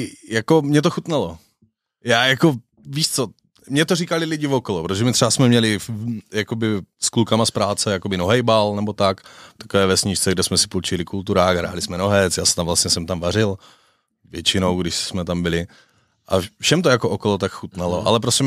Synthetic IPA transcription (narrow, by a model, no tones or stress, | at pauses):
jakomɲɛt̪oxut̪nalo | jaːjako | viːʃt͡so | mɲɛt̪orikalɪlɪɟɪvokolopɾot̪oʒɛmɪt̪r̥ɛvasmɛmɲɛlɪjakobɪsklukamaspɾaːt͡sɛjakobɪnoɦɛjbalnɛbot̪akft̪ḁkovɛːvɛsɲɪʃt͡sɛɡdɛsmɛsɪ̥pult͡ʃɪlɪkult̪uɾaːxɦɾa̰ːlɪsmɛnoɦɛt͡sjaːsɛ̥t̪amvlast̪ɲɛsɛmt̪amvarɪl | vjɛt͡ʃɪnowɡdɪʃsmɛt̪ambɪlɪ | ʔa̰fʃɛmt̪ojakoʔokolot̪akxut̪nalo̰ʔa̰lɛp̬ɾoscɛ